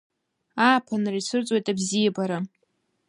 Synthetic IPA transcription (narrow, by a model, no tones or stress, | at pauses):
aːpʰanrajsʰɨrt͡sʼwo̞jtʼabzijabaɾa